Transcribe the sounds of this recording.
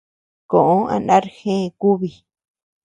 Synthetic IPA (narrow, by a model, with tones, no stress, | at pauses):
kõ˨ʔõ˦ã̰˨˧nã˦ɾxẽ˦˧ku˦βi˧